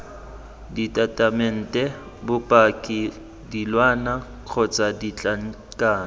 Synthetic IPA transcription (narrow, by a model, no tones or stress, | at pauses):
ditʼatʼamɛn̩tʼɛ | bʊpʼakʼɪ | dilwana | q͡χʰɔt͡sʼadit͡ɬʼaŋ̩ | kʼaːn